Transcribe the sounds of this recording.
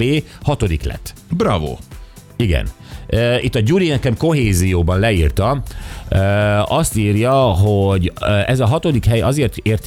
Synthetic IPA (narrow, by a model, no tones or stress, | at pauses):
eːhɒt̪o̞d̪iklɛ̰t̪ːbra̰vo̰ | iɡɛ̰n | ʔøit̪ːɒɟuɾinɛkɛmko̞ɦeːzijoːbɒnlɛiːrt̪ɒ | øːɒst̪iːrjɒɦo̞ɟɛzɒɦɒt̪o̞d̪ikɦɛjɒzeːrt̪eːrt̪